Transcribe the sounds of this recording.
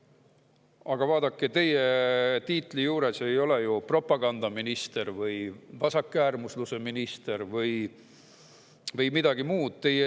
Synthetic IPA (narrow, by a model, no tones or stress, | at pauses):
ɑɡ̥ɑvɑːd̪̥ɑkːet̪e̞je̞t̪iːt̪ˑlijuːɾe̞se̞jo̞le̞jupro̞pːˑɑɡ̥ɑnd̪̥ɑminist̪e̞rvɯjvɑsɑkːæːrmusluse̞minist̪e̞rvɯj | vɯjmid̪ɑɡ̥imuːd̪̥̚t̪e̞je